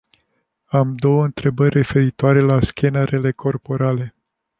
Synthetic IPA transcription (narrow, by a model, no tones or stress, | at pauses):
amd̪o̞wəɨnt̪ɾe̞bərʲre̞fe̞ɾit̪oaɾe̞laskʲenəɾe̞le̞kʰo̞rpo̞ɾale̞